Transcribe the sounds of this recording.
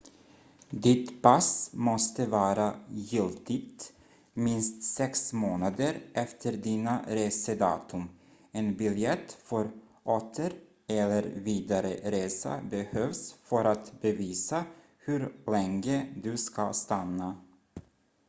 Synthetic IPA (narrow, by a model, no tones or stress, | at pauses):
d̪ɪt̪pasmɔst̪əvɑːɾajɪlt̪ɪt̪ | mɪnst̪sɛksmoːnad̪əɾʔɛft̪ʰəɾd̪iːnaɾeːsəd̪ɑ̰ːt̪ʰɵm | ɛnbɪljɛt̪ːfœɾ | ʔoːt̪ʰəɾ | ɛlːəɾviːd̪aɾə̰ɾeːsa̰bɛhøːvsfœɾat̪bɛviːsa | hʉɾlɛŋəd̪ɵskast̪anːa